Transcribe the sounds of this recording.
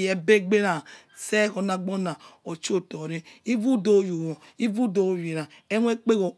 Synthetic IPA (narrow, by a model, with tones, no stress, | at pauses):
je˨be˦ɡ͡be˦ɾa˨se˦ko˨na˨ɡ͡bo˦na˨o˨t͡ʃo˦to˨ɾi˦i˦vu˦do˦˨ju˨wo˨ | i˦vu˦do˨wi˨ɾa˨e˦nʷ˦e˦k͡pe˦ɣo˨